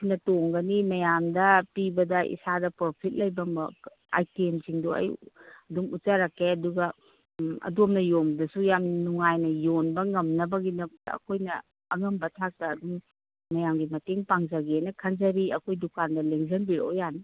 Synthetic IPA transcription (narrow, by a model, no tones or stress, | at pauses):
kʰinɐtoŋɡɐnimɐjamdɐpibɐdɐʔḭsadɐpɾopʰit̚lɐjbɐmɐ | a̰jtiemsiŋdoɐ̰jɐdumut͡ʃaɾakːeɐduɡɐ | ɐ̰domnɐjomdɐsujamnuŋajnɐjonbɐŋɐmnɐbɐɡinɐɐɐ̰kʰojnɐ | ɐŋɐmbɐtʰak̚tɐːduŋː | ɐjamɡimɐteŋpaŋzɐɡenɐkʰɐnzɐɾiɐkʰojdukandɐleŋzɐnbiɾo̰jani